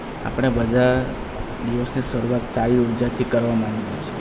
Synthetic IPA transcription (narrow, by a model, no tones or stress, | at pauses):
a̰pəɽ̃ebəd͡ʒ̪a | d̪iʋəsniʃəɾuʋat̪saɾiuɾd͡ʒat̪ʰikəɾʋamãŋɡijit͡ʃʰe̥